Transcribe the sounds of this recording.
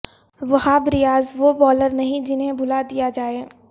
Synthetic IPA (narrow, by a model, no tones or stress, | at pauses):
ʋɐɦãbɾɪjaːzʋoːbɔːləɾnɐɦĩd͡ʒɪnɦẽbʱʊlad̪ijad͡ʒaːe